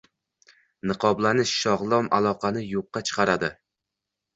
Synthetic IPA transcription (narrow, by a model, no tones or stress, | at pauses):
nɨqʰɒblanɪʃːɒʁlˠɒma̰lˠɒqʰɑnɪjoqːɑt͡ʃʰɨ̥qʰɑɾad̪ɪ